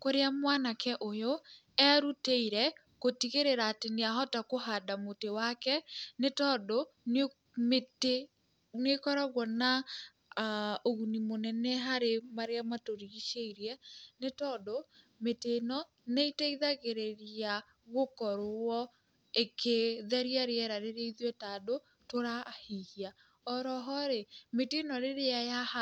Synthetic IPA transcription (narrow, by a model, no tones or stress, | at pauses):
koɾeamwanakʰɛʔojo | ɛɾuteiɾɛ | kotiɣeɾeɾaːteneaɦɔtakoɦadamotewakɛnetɔdon | mete | nekɔɾaɣwɔna | oɣunimonɛnɛɦaɾemaɾeamatoɾiiʃeiɾiɛnetɔdo | metenɔ | neitaiðaɣeɾeɾia | ɣokɔɾɔ | ekʰeðɛɾjaɾeɛɾaɾeɾeiðiɛtado | toɾahihia | ɔɾɔɦɔɾemetenɔɾeɾeajaha